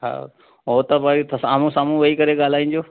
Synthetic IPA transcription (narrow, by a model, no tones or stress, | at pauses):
ɦa̰ː | ɦoːt̪əbaːit̪saːmũsaːmũʋɐikəɾeɠaːl̤aːĩːnd͡ʑoː